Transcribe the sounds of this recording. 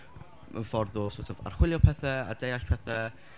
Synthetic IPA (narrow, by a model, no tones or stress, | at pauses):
mʔə̰nfɔrðʊlˠsotʰɔva̰r̥χwɪljɔpʰɛθɛa̰dejaɬpʰɛθɛ